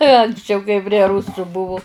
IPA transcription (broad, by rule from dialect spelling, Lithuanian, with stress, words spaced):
ɐŋksʲˈt͡ʃʲɛʊ kɐɪ pʲrʲiɛ ˈrʊsʊ ˈbʊʋʊ